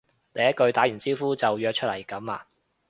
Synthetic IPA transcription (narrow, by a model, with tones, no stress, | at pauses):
ne˨˧jɐ˥t̚kɵ˧ɥt̪aː˨˥jy˨˩nsiː˥wfuː˥t͡sɐ˨wjœː˧k̚t͡ʃʰɵ˥t̚lɐ˨˩jkɐ˨˥ma̰ː˧